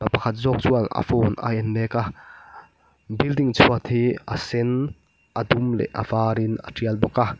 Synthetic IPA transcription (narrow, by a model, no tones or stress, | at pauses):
apɐkʰat̪̚zɔːk̚t͡suɐla̰fɔːnʔa̰ʔɛnlɛːka | bildiŋt͡sʰuɐt̪hiɐsɛn | ʔɐd̪umlɛ̰ʔɐ̰v̥aːɾɪnɐ̰ʈiəlbɔka